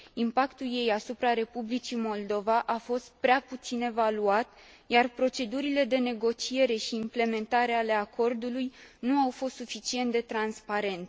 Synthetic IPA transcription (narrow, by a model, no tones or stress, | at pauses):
impakt̪ulje̞jasupɾaɾe̞publit͡ʃimo̞ld̪o̞vaʔafo̞st̪̚pɾeaput̪sine̞valuat̪ | jarpɾo̞t͡ʃe̞d̪uɾile̞d̪e̞ne̞ɡo̞t͡ʃie̞ɾe̞ʃiːmple̞me̞nt̪aɾe̞ale̞akʰo̞rd̪ulujnuawfo̞st̪sufit͡ʃie̞nt̪̚d̪e̞t̪ɾanspaɾe̞nt̪